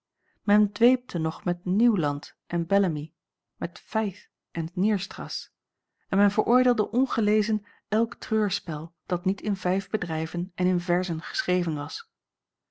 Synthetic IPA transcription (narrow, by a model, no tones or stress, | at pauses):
mɛndʋejp̚tʰənɔχmɛtniwlɑnt | ʔɛnbɛləmi | mɛtfɛjθ | ʔɛnniːɹstrɑ̰s | ɛnmɛnvəɹʔʊːɹdɪːlˠdəʔɔnχəlejzən | ɛlˠktrøːɹspɛlˠd̥ɑtnitʰɪnv̥ɛjvbədrɛjvənʔɛnɪnvɛɹzənχə̥srejvənʋɑs